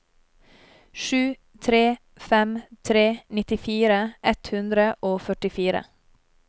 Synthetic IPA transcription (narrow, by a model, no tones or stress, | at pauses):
ʃʉː | t̪ʰɾeː | fɛmt̪ʰɾeːnɪt̪ɪfiːɾəʔɛt̪hʉnd̪ɾəʔoːfœʈɪfiːɾə̰